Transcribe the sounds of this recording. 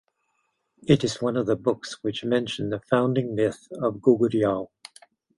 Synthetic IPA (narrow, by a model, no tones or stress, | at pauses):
ɨɾɨzwʌ̃nʌvðəbʊkswɨt͡ʃmɛ̃nʃn̩ðɨfãʊ̃ndɪ̃ŋmɪθʌvɡuɡɨɾialˠ